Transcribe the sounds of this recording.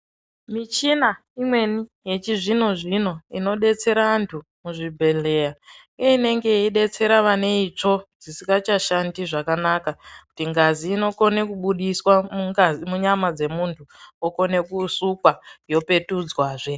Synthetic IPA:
mit͡ʃina | imwe̞nije̞t͡ʃiʐino̞ʐino̞ino̞ɗe̞t͡se̞ɾantʰu | muʐibʱe̞le̞jaŋɡeine̞ŋɡe̞iɗe̞t͡se̞ɾaʋane̞it͡ʂo̞d͡zisiŋɡat͡ʃaʃandiʐakanakakutiŋɡaziːno̞ko̞ne̞kuɓuɗiswamuŋzimuɲamad͡ze̞muntʰuoko̞ne̞kusukwajo̞pe̞tud͡zwaːʐe̞

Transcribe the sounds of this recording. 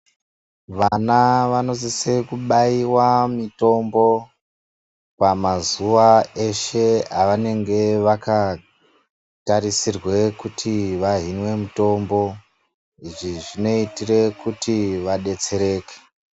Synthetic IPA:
ʋanaʋano̞zise̞kuɓaiwamito̞mbo̞ | pamazuʋae̞ʃe̞aʋane̞ŋɡe̞ʋaka | taɾisirwe̞kutʰiʋaɦinwe̞muto̞mbo̞ | iʐiʐino̞itire̞kutiʋaɗe̞t͡se̞ɾe̞ːke̥

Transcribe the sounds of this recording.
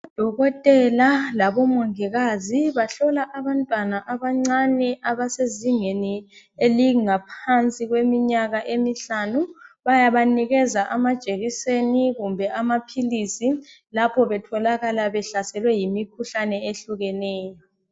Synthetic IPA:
ad̥ʱɔɣɔtʼɛlalaβɔmɔŋiɣaziβaɬɔlaʔaβantʼwanaʔaβaŋ͡ǀanɛʔaβaseziŋeni | eliŋapʰant͡sʼiɣwemiɲaɣaʔemiɬanuβajaβaniɣɛzaʔamad̥ʒ̥ʼʱeɣiseniɣumbʱɛʔamapʰilisi | lapʰɔβɛtʰɔlaɣalaβɛɬasɛlwɛjimikʰuɬanɛeɬuɣɛnɛːjɔ

